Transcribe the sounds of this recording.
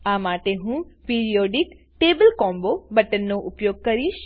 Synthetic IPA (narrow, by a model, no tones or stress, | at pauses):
ãːmaːʈeɦũːpeːɾijoːɖɪk | ʈeːbəlkɔːmbobɐʈənːoʔʊpjoːɡ̚kɐɾiːʃ